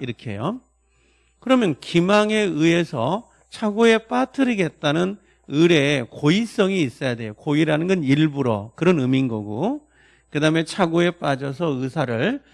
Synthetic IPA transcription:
iɾʌkʰe̞̰jo | kɯɾʌmjʌnkimaŋe̞ɯe̞sʰʌ | t͡ɕʰaɡoe̞p͈atʰɯɾiɡe̞t̚t͈anɯn | ɯɾe̞kois͈ʌŋiːs͈ʌjade̞jokoiɾanɯnɡʌniɭbuɾʌ̰kɯɾʌnɯminɡʌɡu | kɯdame̞t͡ɕʰaɡoe̞p͈ad͡ʑʌsʰʌɯsʰaɾɯɭ

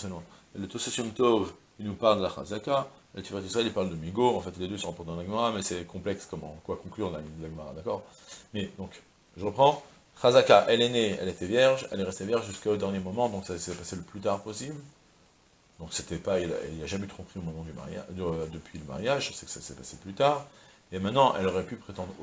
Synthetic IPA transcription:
səlɔ̃ | ɛlət̪osasjɔmt̪ovkinupaʁld̪əlaχa̰zaka | ɛlt̪ipat̪usaɛlipaʁld̪əmiɡoɑ̃fɛt̪led̪øsɔ̃ʁãpɔʁt̪ed̪ɑ̃laɡəmaʁamɛsɛkɔ̃plɛkskɔmɑ̰̃kwakɔ̃klyʁaid̪əlaɡəmaʁa̰d̪akɔːʁ | mɛd̪ɔ̃k | ʒəʁəpχɑ̃ | χazakaʔɛlɛneɛ̰let̪ɛvjɛʁʒɛ̰lɛʁɛst̪evjɛʁʒʒyskaod̪ɛʁnjemɔmɑ̃d̪ɔ̃ksasɛpaseləplyt̪aʁpɔsibl | d̪ɔ̃kset̪ɛpail̰liaʒamɛyt̪χɔ̃pχiomɔmɑ̃d̪yma̰ʁja̰d̪əd̪əpɥiləma̰ʁjaʒəsɛkə̥sasɛpaseplyt̪aːʁemɛ̃t̪nɑ̃ʔɛ̰lɔʁɛpypχet̪ɑ̃d̪ʁ

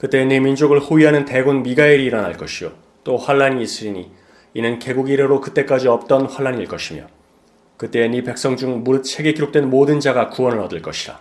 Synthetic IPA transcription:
kɯt͈e̞ːnemind͡ʑoɡɯɭhoiɦanɯnte̞ɡunmiɡaiɾiːɾʌnaɭk͈ʌɕʰijo | t͈oɸwaɭːaɲiːs͈ɯɾiɲi | inɯnke̞ɡuɡiɾeɾokɯt͈e̞k͈ad͡ʑiʌp̚t͈ʌnɸwaɭːaɲiɭk͈ʌɕʰimjʌ̰ | kɯt͈e̞ːnipe̞k̚s͈ʌŋd͡ʑuŋmuɾɯt͡ɕʰe̞ɡeɡiɾok̚t͈we̞nmodɯnd͡ʑaɡakuwʌnɯɭʌdɯɭk͈ʌɕʰida

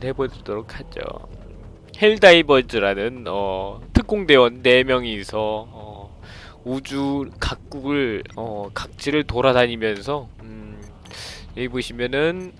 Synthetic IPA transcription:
hebod͡ʑiɭdoɾokʰad͡ʑo̰ | he̞ɭdaibʌd͡ʑɯɾanɯnʌtʰɯk̚k͈oŋde̞wʌnːe̞mjʌŋisʰʌː | ud͡ʑukak̚k͈uɡɯɭʌkak̚t͡ɕ͈ʰiɾɯɭtoɾadaɲimjʌns̬ʰʌ | jeboɕʰimjʌnɯn

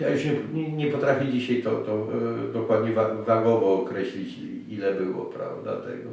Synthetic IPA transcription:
jajuʂɲɛɛɲɛpɔt̪ɾafʲid͡ʑiɕajt̪ɔt̪ɔd̪ɔkwad̪ɲɛvavaɡɔvɔːkɾɛɕlʲit͡ɕ | ilɛbɘwɔ̰pɾa̰vd̪a̰t̪ɛ̰ɡɔ

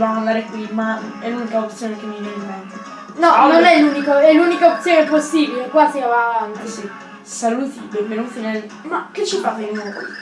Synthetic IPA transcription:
vamoand̪aːɾekwimaɛlːunikaopt̪sjoːnek̟emːivjenemːɛnt̪e | nɔnonɛlːunikoɛlːunikaop̪̚sjoːneposːiːbilekwasiavaŋkesi | saluːt̪ibepeɾuɱfine | makːet͡ʃːifavenianokwḭ

